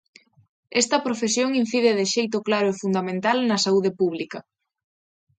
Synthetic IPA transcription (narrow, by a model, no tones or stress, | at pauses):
ɛst̪ɐpɾofesjoŋin̟θiðɪðɪʃejt̪̬oklaɾoefund̪amẽnt̪alnɐsauðɪpuβlikɐ